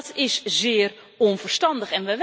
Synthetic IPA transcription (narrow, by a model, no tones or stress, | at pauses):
tʰɪszɪːər | ɔnfərstɑndəxɛnʋɛʋ